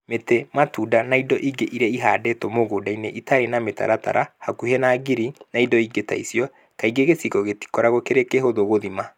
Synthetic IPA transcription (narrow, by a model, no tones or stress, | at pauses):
metɛmatuːdanaidɔʔiɡeʔiɾɛiɦa̰dɛtomoɣodaineʔitaɾenameta̰ɾata̰ɾahakuhɛnaːɡiɾinaidɔiɡeta̰isjɔ | kaiɡeɣesikɔɣeti̥kɔɾaɣɔkeɾekeɦoðoɣoðima